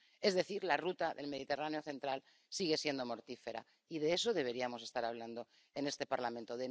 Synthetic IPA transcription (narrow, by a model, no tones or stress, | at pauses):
ezðe̞θiɾlarut̪aðe̞lme̞ð̞it̪e̞raneoθe̞nt̪ɾal | siɣ̞e̞sje̞nd̪o̞mo̞ɾt̪ife̞ɾa̰ | iðe̞esoðe̞βe̞ɾiamo̞se̞st̪aɾaβ̞land̪o̞ | e̞ne̞st̪e̞paɾlamẽnt̪oðe